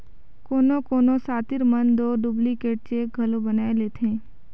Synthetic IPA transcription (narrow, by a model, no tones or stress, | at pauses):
koːnõkoːnõsaːt̪ɪɾmənd̪oːɖʊblikeːʈ̚t͡ʃeːk̚ɡʱɐlobənaːeleːt̪ʰẽː